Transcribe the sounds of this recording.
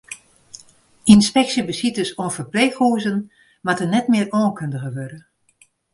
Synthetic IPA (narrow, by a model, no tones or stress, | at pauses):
inspɛksjəbəsitəsoːənfərpleːxhuəzən | matənɛtmɪərɔːnkʰøndəɣəʋødə